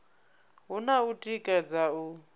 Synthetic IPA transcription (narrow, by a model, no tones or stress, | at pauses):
ɦunautʼikʼad͡zau